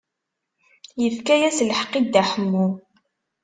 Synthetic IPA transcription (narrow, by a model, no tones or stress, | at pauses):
jəfkæjæslħə̥qːid̪ːæħəmːu